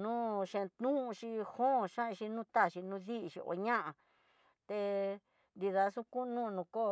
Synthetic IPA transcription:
nũː˦ʃẽ˧t̪nũ˦˧ʃi˧hõ˦˨ʃã˦˧ʃi˧nũː˦t̪a˦˨ʃi˧nũ˧ði˦ʔi˧ʃḭ˧ʔo̰˧ɲã˦ʔã˧ | t̪e˧ | nd̪i˧ða˧˦sũ˦ku˦˧˦nũ˦˧nũ˧ko˦˨

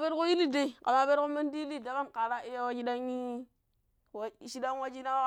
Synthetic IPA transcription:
be˦ɾko˦ji˦li˦de˦i˨ka˨ma˨be˦ɾko˦ma˦ndi˦li˦˨da˦ka˦nka˨ɾa˦i˦ja˦wa˦d͡ʒi˦da˦ŋi˦ | wa˨ʃi˦da˦nwa˦d͡ʒi˦na˦wa˦

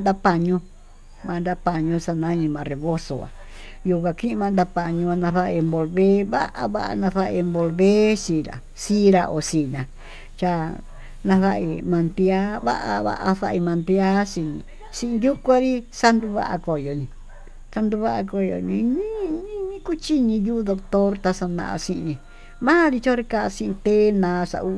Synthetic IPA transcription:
nd̪a˧pa˧ɲũ˧ | mã˨˧nd̪a˧pa˨ɲõ˧sa˧nã˦ɲĩ˧mã˨re˨βo˦so̰˨a̰˨ | ju˧kʷã˧kĩ˦˧mã˧nd̪a˧pa˨ɲũ˧a˧nã˧θa˧i˧mbo˧lβe˦βa̰˦ʔa̰˧βa̰˦ʔa̰˧nã˧θa˦ʔi˧mbo˧lβe˦si˧˨ɾa̰˨ | si˦ɾa˧ʔo˨si˧nã˨ | t͡ʃa˧ | nã˧θa˧ʔḭ˧mã˧nd̪i˧a˦βa̰˦ʔa˧βa̰˧ʔa˧ða˧ʔi˧mã˧nt̪i˧a˦si˧nḭ̃˧˨ | sĩ˦ʔĩ˧ju˦kʷa˦ɾi˦sa˧nd̪u˧βa̰˦ʔa̰˧ko˨jo˨nĩ˨ | sa˧nd̪u˧βa˦ʔa˧ko˧jo̰˨nĩ˧ɲĩ˦ɲĩ˦ɲĩ˦ku˦t͡ʃi˦ɲĩ˧ju˦d̪o˧k̚t̪o˦ɾt̪a˧sa˧nã̰˧˨a̰˧sĩ˧ɲĩ˨˧ | mã˦ɾi˧t͡ʃo˦ɾe˧ka˧sĩ˧ʔĩ˧t̪e˦nã˨˧˦sa̰˧ʔu˧

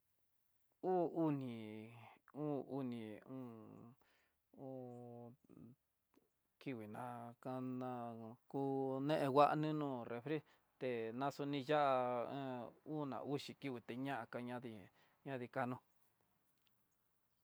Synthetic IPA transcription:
uː˦u˦nĩ˨ | u˦u˧nĩ˨ũ˦ | u˦ | ki˧wi˨nã˧ka˧nã˧ku˦nẽ˦ʔẽ˧wa˦ʔa˧nĩ˦nũː˦˨re˨fɾi˦ | t̪e˨nã˧su˧nĩ˧ja˦ʔa˧ẽ˦u˦nã̰˨ʔu˦ʃi˨ki˦wi˧t̪e˧ɲã˦ʔa˧ka˧ɲã˦ði˧ | ɲã˦ði˧ka˧nũ˧

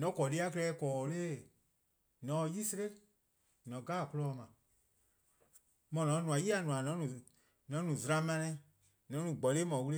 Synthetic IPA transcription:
nɔ̃˨˦kɔ˨li˦a˦klɛː˧˦kɔː˨˧leː˦ | nɔ̃˨˦˧ji˦se˧ɾe˦ | nɔ̃˨ɡaː˦˨ku˧lɔː˧˦˨mã˨ | mɔ̃˨nɔ̃˨˦nũ˨ã˨ji˦a˨nũ˨ã˨nɔ̃˨˦nũ˨ | nɔ̃˨˦nũ˨zɾã˧mã˧nɛ̃˧˦ | nɔ̃˨˦ũ˨ɡ͡bɔ˨le˦mɔ̃˨wu˦le˦

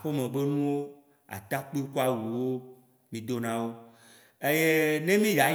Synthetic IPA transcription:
ɸe˦mẽ˨ɡ͡be˦nũ˦wo˦ | a̰˨t̪a˦k͡pi˦ku˦a˦wu˨wo˦ | mĩ˨d̪o˦nã˦wo˦ | e˦je˦nẽ˦mĩ˦ja˨

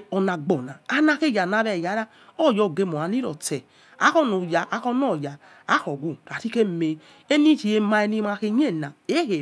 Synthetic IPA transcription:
ɔ˧na˧ɡ͡bɔ˨na˨a˦na˧ke˦˨ja˨na˨˧˦βɛ˨ja˨˦ɾa˦ | ɔ˦˨jɔ˧˨ɡe˧mo˨a˨˦ni˦ɾɔ˨tɛ˨ | a˦kɔ˦no˨ja˨ʔa˨˦kɔ˦nɔ˦˨ja˨ | a˦kɔ˨ɡu˦˨ɾa˨ti˦ke˦me˨ | e˦ni˦t͡ʃi˨e˧ma˧e˧ni˦ma˧ke˧ɲ˦e˦˨na˨e˦he˨

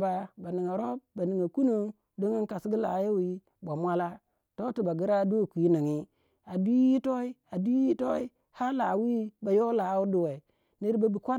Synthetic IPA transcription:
ba˨ba˨ni˨ŋa˨ɾo˦b̚ba˨ni˨ŋa˨ku˦no˦ | do˦ŋi˦nka˨si˦ɡi˦la̰˨˦je˦wi˦ | ba˨mʷa˦la˦ | to˦ti˨ba˨ɡi˦ɾa˦do˦˨kʷi˨˦ni˨ŋi˦ | a˨du˦i˦to˦i˦a˨du˦i˦to˦i˦ | ha˦la˨wi˦ba˨jo˦la˨˦wu˦du˨we˨ | ni˦ɾba˨bi˨kʷa˦

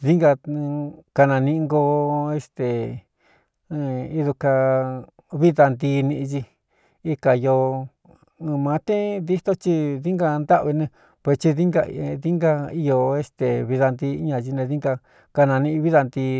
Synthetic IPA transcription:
ði˦ŋɡã˧ | ka˧nã˧nĩ˧ŋɡo˧e˧st̪e˨˧ | i˧ðu˧ka˧ | βi˦ða˧nd̪i˧nĩ˧ʔt͡ʃi˧ | i˧ka˨˧jo˧ | mã˨˦t̪ẽ˦d̪i˦t̪o˦t͡ʃi˦ði˦ŋɡa˧nd̪a˦βi˧nẽ˧ | pwe˧st͡ʃi˧ði˦ŋɡa˧ði˦ŋɡa˧i˧jo˧e˧st̪e˨βi˧ða˧nd̪i˧˦ɲã˧t͡ʃi˧nẽ˧ði˦ŋɡa˧ | ka˧nã˧nĩ˧ĩ˧βi˦ða˧nd̪i˧

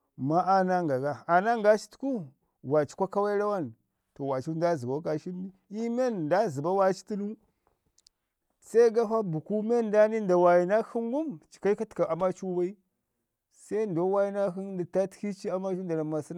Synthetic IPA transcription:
ma˦a˦na˦ŋɡa˨ɡa˦a˨na˦ŋɡa˦t͡ʃi̥˦tu̥˦ku˦ | wa˨t͡ʃi̥˦kʷa˦ka˦wa˦i˦la˦wa˦˨n | to˨wa˨t͡ʃu˦da˦˨zə˨ba˨˦ka˨ʃi˦n˦i˦i˦me˦nnda˦zə˨ba˦wa˦t͡ʃi̥˦ti˦nu˦ | sa˦i˦ɡa˦fa˦bu˨ku˦me˦nda˦ni˦nda˨wa˨ji˨na˦xi˦ŋɡu˦mt͡ʃi̥˨ka˦i˦ka˦tka˨a˨ma˦t͡ʃu˦wa˦i˦ | sa˦i˦ndo˦wa˦ji˦na˦xi˦nnda˨ta˦tki˦t͡ʃi˦a˦ma˦t͡ʃu˦nda˨la˨ma˨si˦n˦

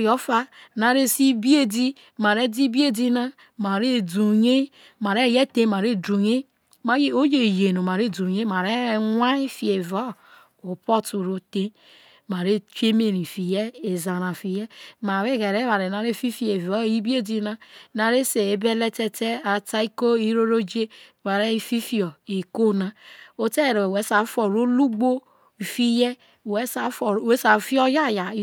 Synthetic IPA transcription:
jo˦fa˦na˨ɾe˦si˦bi˦e˦di˦ | ma˨ɾe˦di˦bi˦e˦di˦na˦ | ma˨ɾe˦˨du˨ɲe˦ | ma˨ɾe˦˨je˦te˦ma˨ɾe˦˨du˨ɲe˦ | ma˨˦je˦o˦je˨je˨no˨ma˨ɾe˦˨du˨ɲe˦ma˨ɾe˦ŋʷa˦i˦fi˦˨e˨vo˦ | o˨po˦tu˨ɾo˨te˦ | ma˨ɾe˦t͡ʃe˦me˨ɾi˨fi˨je˦e˨za˨ɾa˨fi˨je˦ma˨ɾe˦ɡe˨ɾe˦βa˨ɾe˨na˨ɾe˦˨fi˦fi˦e˨vɔ˦˨i˦bi˦e˦di˦na˦na˨ɾe˦se˨e˨˦be˦le˦te˦te˦a˨ta˦i˦ko˦i˦ɾo˦ɾo˦d͡ʒe˦ma˨ɾe˦˨fi˦fi˦ɔ˨i˨ko˦na˦o˦te˦˨ɾe˨we˨˦sa˨˦fo˨ɾo˦lu˦ɡ͡bo˦ | i˨fi˦je˦˨ | we˦sa˨˦fe˦sa˨˦fi˦ɔ˦ja˦ja˨˦

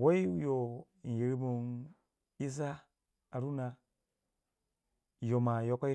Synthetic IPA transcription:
wo˦i˦u˦jo˨ | ji˨ɾi˦mu˨n | i˦za˦ | a˨ɾu˦na˨ | jo˨ma˨jo˦ka˦i˦

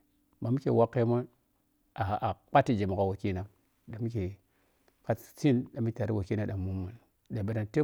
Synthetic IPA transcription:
ma˨mi˦ke˨wa˦kːe˦mə˦ | a˨a˨k͡pa˦ti˦d͡ʒe˨mu˨ka˨wa˨ki˦na˨ | ɗa˨m˦ke˨ | ka˦tt͡si˦nɗa˨mi˦ke˨a˨ɾi˦wa˨ki˦na˦ɗa˨mːu˦mːu˨n | da˨be˨ɾa˨nte˦

